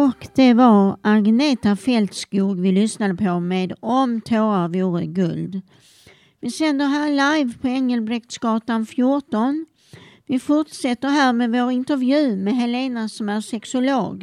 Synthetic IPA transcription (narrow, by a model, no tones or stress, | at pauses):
ɔkd̪̥ɛvaɾʔaɡneːt̪afɛlt̪skuːɡvɪlʏsnad̪əpʰɔmeːd̪ɔmt̪ʰoːɾavjuːɾəɡɵld̪ | vɪsɛnd̪əɾɦæːɭajvpʰɔɛŋːəlbɾɛkt̪sɡ̥ɑːʈ̪anfjʊʈɔn | vɪfʊʈʂɛt̪ːəɾɦæːɾmɛvoːɾɪnt̪əɾvjʉ̟ːmɛɦɛleːnasɔmæɾʂɛksʊlo̰ːɡ